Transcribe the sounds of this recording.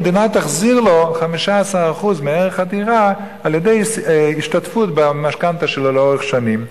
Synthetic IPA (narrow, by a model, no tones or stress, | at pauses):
d̪inat̪aχziʁloχamiʃaasaʁaχuzmeeʁeχatiʁaː | ljedejiʃtatfutbamaʃkant̪aʃelolɛoʁeχʃanim